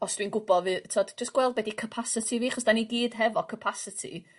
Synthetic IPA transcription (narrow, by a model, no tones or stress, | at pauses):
ɔsd̥winɡʊbɔvɨːtʰoːdd͡ʒəsɡ̥wɛlˠd̚bɛdikʰəpʰasɪtʰiviːaχɔsd̥aniɡiːd̥ɦɛvɔkʰəpʰasɪtʰḭ